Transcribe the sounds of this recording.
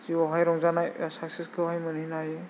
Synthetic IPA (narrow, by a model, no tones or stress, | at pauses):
ziɔɦajɾɔŋzanajsaksiskʰɯɦajmɯninaj